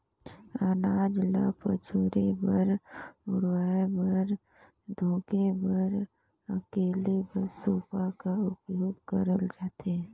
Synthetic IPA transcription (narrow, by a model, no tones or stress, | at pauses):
ənaːd͡ʒlapə̰t͡ʃʰoːɾebəɾʊɽwaːebɐɾ | d̪ʱõːkebəɾ | əkeːlebəɾsuːpakaʊpjoːɡkəɾəld͡ʒaːt̪e